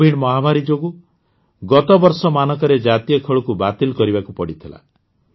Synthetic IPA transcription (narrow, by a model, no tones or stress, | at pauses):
iɽmɔɦamaɾid͡ʒoɡu | ɡɔt̪ɔbɔɾsɔmanɔkɔɾed͡ʒat̪ijɔkʰɔɭɔkubat̪ilɔkɔɾibakupɔɽit̪ʰila̰